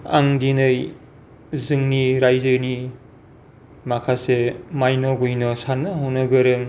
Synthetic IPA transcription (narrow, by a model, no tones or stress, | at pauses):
a̰ŋdinɯj | zɯŋniɾajzɯni | makʰasemajnoɡujnɔsanɯɦunɯɡɯɾɯŋ